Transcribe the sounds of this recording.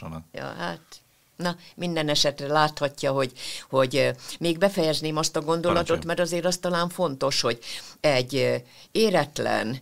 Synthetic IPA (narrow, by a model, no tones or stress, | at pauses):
jɒ̰ːha̰ːt̪ | nɒmind̪ɛnɛʃɛt̪rɛlaːt̪hɒcːɒɦo̞ɟho̞ɟmeːɡbɛfɛjɛzneːmɒst̪ɒɡo̞nd̪o̞lɒt̪o̞t̪mɛɾɒzeːɾɒst̪ɒlaːɱfo̞nt̪o̞ʃho̞ɟɛɟː | eːɾɛt̪lɛ̰n